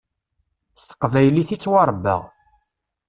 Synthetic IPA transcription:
st̪ə̥qːvæjliθit͡sːwɑɾˤbːə̰ʁ

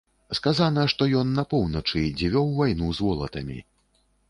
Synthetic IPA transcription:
skazanɐʂt̪ɔjɔnːɐpɔwnɐt͡ʂɨd͡zʲivʲɔwvajnuzvɔlˠɐ̰t̪ɐmʲḭ

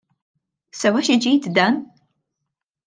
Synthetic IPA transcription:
sɐwɐʃid͡ʒiːt̪d̪ɐn

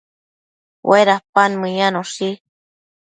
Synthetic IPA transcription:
weɾahpanmɨ̃ɲanoʂi

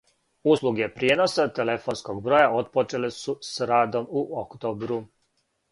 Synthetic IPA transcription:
uslˠuɡe̞pɾje̞no̞sat̪ele̞fo̞ːnskoɡbɾo̞ːjao̞t̪̚pot͡ʃe̞lesusɾaːd̪o̞muʔokt̪oːbɾu

